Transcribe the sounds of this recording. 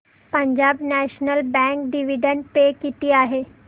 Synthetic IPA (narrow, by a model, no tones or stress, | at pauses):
pəɲd͡ʑabnæɕnəlbɛ̃ŋkɖiʋiɖəɳʈ̚pekit̪iːaɦe